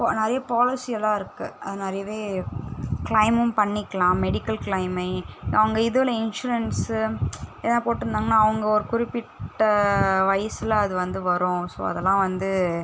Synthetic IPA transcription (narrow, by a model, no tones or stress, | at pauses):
pːnɛɾɐjɐpaːlɪsɪjɐlːãːɪɾɯkːɯɐðɯnɛɾɐjɐʋeː | kɭɐɪmɯmpɐɳːɪkːɐlãːmɛɽɪkːɐlkɭɐɪmɐɪɐʋɐŋɡɐɪðɯʋlɐɪnʂʊɾɐns | eːnːãːpoːʈːɯɾɯnd̪aːŋɡɐnːaːɐʋɐŋɡɐɔɾɯkʊɾɪpːɪʈːɐʋɐjɐsɯlɐðɯʋɐnd̪ɯʋɐɾʊ̃so̰ːɐ̰ðɛlːãːʋɐnd̪ɯ